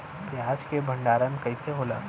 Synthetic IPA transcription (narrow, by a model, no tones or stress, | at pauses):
pjaːd͡ʒkebʱɐ̃ɳɖaːɾemekɐiseɦoːla̰ː